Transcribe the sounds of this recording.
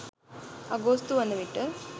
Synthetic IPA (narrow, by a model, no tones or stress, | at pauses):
ɐ̰ɡost̪uʋɐnːɐʋiʈːɨ